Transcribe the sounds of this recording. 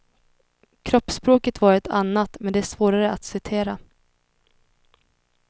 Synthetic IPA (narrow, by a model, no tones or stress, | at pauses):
kʰɾɔpːspɾoːkət̪vɑːɾɛt̪ʰa̰nːat̪mɛnd̪ɛæʂvoːɾaɾəʔat̪sɪt̪ʰeːɾa